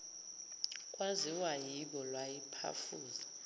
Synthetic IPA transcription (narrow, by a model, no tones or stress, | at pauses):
kʼwaziwajiɓɔlwajipʰa̰fuːza